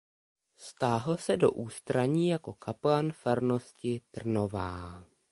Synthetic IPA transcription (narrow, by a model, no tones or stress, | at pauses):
st̪aːɦl̩sɛdo̞̰ʔuːst̪ɾaɲiːjako̞kʰaplanfɛɾno̞scɪt̪r̩no̞vaː